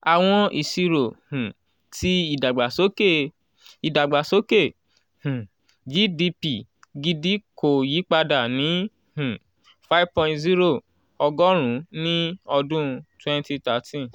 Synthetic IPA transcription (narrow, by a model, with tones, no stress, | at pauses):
a˨w̃ɔ̃˧ʔi˨si˧ɾo˨hũ˨ | tʰi˧i˦˨da˨ɡ͡ba˨so˨˦ke˦˨ | i˨da˨ɡ͡ba˨so˨˦ke˦˨ | hũ˨ | ɡi˨˦di˧pi˨ | ɡi˧di˦ko˨ji˨˦k͡pa˧da˨nĩ˨˦ | hũ˨ | fa˦vpɔ̃˧˦tzi˦ɾo˦˨ | ɔ˧ɡɔ˦ɾ̃ũ˨˦nĩ˦ɔ˧dũ˦twɛ̃˦˧nti˧ta˨˧˦tʰĩ˦